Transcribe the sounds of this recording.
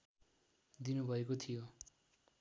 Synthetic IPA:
d̪inubʱʌekot̪ʰijo

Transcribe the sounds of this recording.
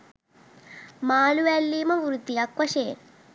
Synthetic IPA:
maːluʋelːiːmɐʋuɾut̪iɐkʋɐʃeː

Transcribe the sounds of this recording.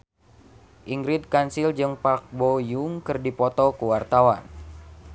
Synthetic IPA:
ʔiŋɡɾid̪̚kansild͡ʒɨŋpak̚bojuŋkɨrdipɔt̪ɔkəwart̪awan

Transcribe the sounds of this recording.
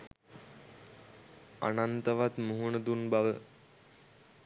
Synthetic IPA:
a̰nant̪əʋat̪muɦuɳəd̪unbaʋə

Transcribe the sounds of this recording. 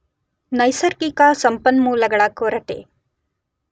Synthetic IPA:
nɐjsɐɾkikasɐmpɐnmuːlɐɡɐɭɐkoːɾɐʈḛ

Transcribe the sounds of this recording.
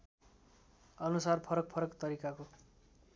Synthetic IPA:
ʌnusarpʰʌɾʌk̚pʰʌɾʌkt̪ʌɾikako

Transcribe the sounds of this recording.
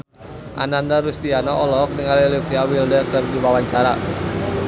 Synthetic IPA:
ʔa̰nandaɾust̪ianɔʔɔlɔk̚niŋalilikiawildəkɨrdiwawaɲt͡ʃaɾa

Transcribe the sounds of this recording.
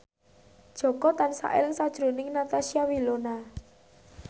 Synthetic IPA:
d̥ʒ̥ɔ̤kɔt̪ansa̰ʔḛlɪŋsad̥ʒ̥ɾṳnɪŋnat̪asiawilona

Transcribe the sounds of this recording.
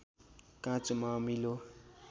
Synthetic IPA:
kãt͡sumamilo

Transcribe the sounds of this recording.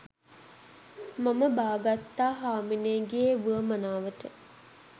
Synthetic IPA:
maməbaːɡat̪ːaːɦaːmineːɡeeʋuəmənaːʋəʈə

